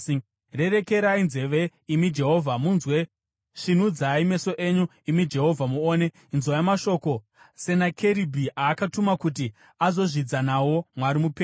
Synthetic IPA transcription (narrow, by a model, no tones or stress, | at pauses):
re̞re̞ke̞ɾainze̞ʋe̞imid͡ʒe̞ɦo̞vʱamunzwe̞ | ʂin̤ud͡zaime̞so̞ʔe̞ɲu | imid͡ʒe̞ɦo̞vʱamuoːne̞ | nzojamaʃo̞ːko | se̞nakʰe̞ɾibʱiʔaːkatumakut̬i | azo̞ʐid͡zanawo̞mwaɾimupeː